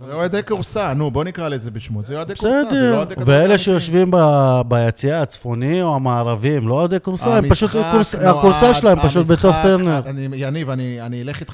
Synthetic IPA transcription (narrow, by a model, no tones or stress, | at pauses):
eoed̪ekuʁsanubo̞nikʁalizebiʃmuzeoed̪ezejod̪eʁdveele̞ʃe̞jo̞ʃvimbabajat͡siaːt͡sfo̞nimoamaːʁavimlood̪ekuʁsaempaʃut̪kuʁsakuʁsaʃlaempaʃut̪bet̪o̞χt̪eʁneʁnijanivanianileχit̪